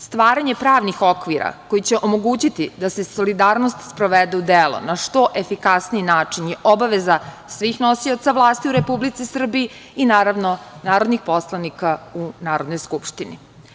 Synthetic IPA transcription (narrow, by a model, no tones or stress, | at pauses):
st̪ʋaːɾaɲe̞pɾaːʋnixo̞kʋiɾa̰ko̞jit͡ɕeʔomo̞ɡuːt͡ɕit̪id̪ase̞so̞lid̪aːɾno̞st̪spɾo̞ʋed̪eud̪elˠo̰naʃt̪o̞ʔefikasniinaːt͡ʂinjɛʔobaʋeza | sʋiːxno̞siot̪saʋlˠaːst̪iuɾepublit̪sisr̩biiː | naːɾaʋnonaːɾo̞d̪nixpo̞slˠanikaunaːɾo̞d̪no̞jskupʃt̪inḭ